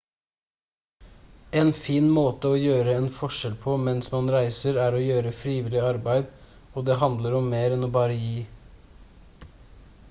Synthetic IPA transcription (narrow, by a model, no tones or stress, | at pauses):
eːnfiːnmoːt̪əoːjøːɾəɛːnfɔʃɛlpʰɔmɛnsmɑnɾæɪsəɾæːɾoːjøːɾəfɾiːʋɪlɪɑɾbæɪd̪ | oːd̪eːɦɑnd̪ləɾɔmːeːɾɛnoːbɑːɾəjiː